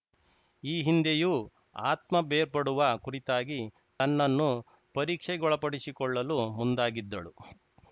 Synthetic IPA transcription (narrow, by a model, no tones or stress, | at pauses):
iːɦind̪eju | aːt̪mɐbeːɾpɐɽuʋɐkuɾit̪aːɡi | t̪ɐnːɐnːu | pɐɾiːkʂɛɡɔɭɐpɐɽisikɔɭːɐlumund̪aːɡid̪ːɐɭu